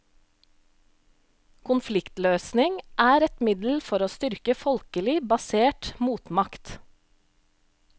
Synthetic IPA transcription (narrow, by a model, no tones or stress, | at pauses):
kʰʊnflɪkt̪løːsnɪŋʔæːɾɛt̪mɪd̪l̩fɔɾoːst̪ʏɾkəfɔlkəlɪbɑseːʈmuːt̪mɑkt̪